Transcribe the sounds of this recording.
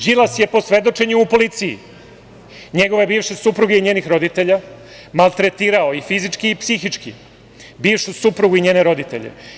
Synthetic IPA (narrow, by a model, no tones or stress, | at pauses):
ʒilasje̞po̞sʋe̞d̪o̞t͡ʃe̞ɲuupo̞lit̪sijḭ | ɲe̞ɡo̞ʋabiːʋʃesupɾuɡaiɲeːnixɾo̞d̪it̪e̞ʎa | malˠt̪ɾet̪iːɾaoifizit͡ʃkiːpsixit͡ʃkḭ | biːʋʃusupɾuɡuiɲeːne̞ɾo̞d̪it̪ḛʎḛ